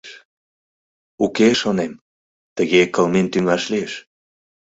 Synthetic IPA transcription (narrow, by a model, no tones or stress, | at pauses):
ʃ | ukeʃonem | t̪əɣekəlment̪yŋɑʃlieʃ